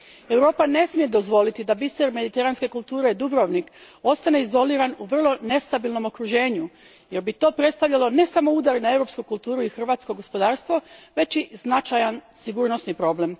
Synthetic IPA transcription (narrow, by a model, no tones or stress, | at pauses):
e̞wɾo̞ːpane̞smije̞d̪o̞zʋo̞lit̪id̪abist̪eɾme̞d̪it̪e̞ɾanske̞kulˠt̪uːɾe̞d̪ubɾo̞ʋnik | o̞st̪ane̞izo̞liːɾanuʋr̩lˠo̞ne̞st̪abilˠno̞mo̞kɾuʒe̞ːɲu | je̞ɾbit̪o̞ːpɾe̞t̪st̪aʋʎalo̞ne̞samo̞ud̪aɾinae̞wɾo̞pskukulˠt̪uːɾuixr̩ʋaːt̪skoɡo̞spo̞d̪aːɾst̪ʋo̞ʋe̞t͡ʃiznat͡ʃajansiɡuːɾno̞snipɾo̞ːble̞m